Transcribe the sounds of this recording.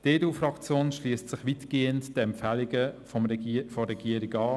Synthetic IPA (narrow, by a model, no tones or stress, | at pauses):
d̥eːduːfrɑkt͡sjoːnʃliːstsɪχʋitɡ̥eːəntd̥ɛmpfæliɡəfɔmfɔɛɡ̥iəɾɪɡɑː